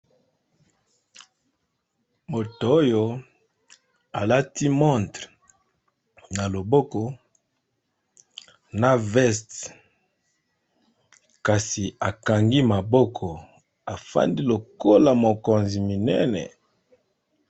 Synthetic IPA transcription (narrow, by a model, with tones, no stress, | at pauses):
mo˨to˨o˦jo˦ | a˨la˦ti˦mɔ̃˦˨ntʁ | na˨lo˨bɔ˦kɔ˦ | na˦vɛ˦st | ka˨si˨a˨ka˨ŋɡi˦ma˨bɔ˦kʰɔ˨ | a˨fa̰˦ndi˦lo˨ko˦la˨mo˨ko˨nzi˨mi˨nɛ˦nɛ̰˨